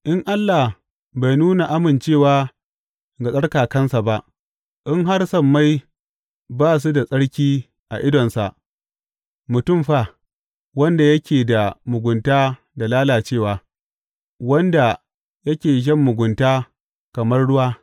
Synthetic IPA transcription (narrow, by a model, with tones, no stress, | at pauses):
ʔɪ˦ŋʔa˦lːa˨h | ba˨jnuː˦na˨ʔa˦mɪ˨nt͡ʃeː˦˨waː˦ | ɡa˨sʼɐ˦ɽkaː˨kɐ˦nsa˨ba˦ʔ | ʔɪ˦ŋɦa˦rsɐ˦mːa˦j | baː˦s̬u˦da˨sʼɐ˦ɽkʲiː˦ | ʔa̰˨ʔɪ˦dɔ˨nsa˨ʔ | mʊ˨tʊ˦˨mɸa˦˨ | wɐ˦nda˨jɐ˦kʲeː˨da˨mʊ˨ɡʷʊ˨ntaː˦ | da˨laː˦laː˨t͡ʃeː˦˨waː˨ | wɐ˦nda˨ | jɐ˦kʲeː˨ʒ̬ɐ˦˨mːʊ˨ɡʷʊ˨ntaː˦ | kɐ˨mɐ˦rɽʊ˦waː˦